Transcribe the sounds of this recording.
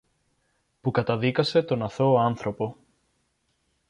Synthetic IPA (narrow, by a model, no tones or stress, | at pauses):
pukɐt̪ɐðikɐse̞t̪o̞nɐθo̞ɐnθɾo̞po̞